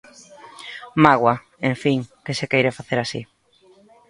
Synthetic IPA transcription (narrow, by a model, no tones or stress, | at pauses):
maɣwa | eɱfiŋkesekejɾefaθeɾasi